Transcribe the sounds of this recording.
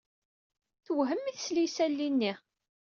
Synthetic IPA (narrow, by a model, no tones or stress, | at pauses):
θwɦəmːiθslisælːinːi